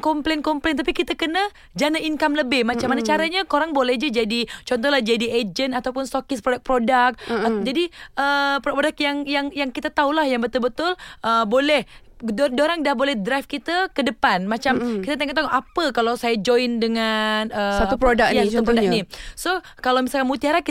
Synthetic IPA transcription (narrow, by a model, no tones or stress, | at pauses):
kɔmplenkɔmplent̪apikit̪akənə | d͡ʒanaʔinkamləbɪhmat͡ʃamːanat͡ʃaɾaɲakoɾaŋbolɛhd͡ʒad͡ʒadit͡ʃɔnt̪̬ɔhlahd͡ʒadied͡ʒənat̪awpʊnst̪okɪspɾodak̚pɾodak̚d͡ʒadiʔəpɾopodak̚jaŋjaŋjaŋkit̪at̪aulahjaŋbət̪ʊlbət̪ʊlʔəbolɛh | ddoɾaŋdahbolɛhdɾaf̚kit̪əkədəpanmat͡ʃamkit̪ət̪eŋɔʔt̪aŋoʔapəkalawsajad͡ʒojndəŋanəsaupɾodak̚jaisat̪upɾodanisokalawmisalkanmut̪iaɾaki